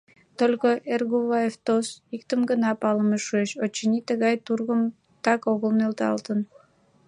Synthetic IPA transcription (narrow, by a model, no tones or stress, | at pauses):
t̪olʲkoʔerɣuβɑjeft̪osikt̪əmɡənɑpɑləmeʃueʃot͡ɕːənit̪əɣɑjt̪urɣəm | t̪ɑkoɣəlnølt̪ɑ̰lt̪ən